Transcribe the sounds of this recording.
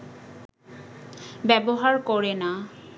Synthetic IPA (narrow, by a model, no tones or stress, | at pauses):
bɛboɦaɾkɔɾena